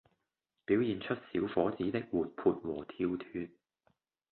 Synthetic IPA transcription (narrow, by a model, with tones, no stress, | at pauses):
piː˨˥wjiː˨nt͡ʃʰɵ˥t̚siː˨˥wfɔː˨˥t͡siː˨˥t̪ɪ˥k̚wuː˨˩t̚pʰuː˨˧t̚wɔː˨˩t̪ʰiː˧wt̪ʰyː˧n̚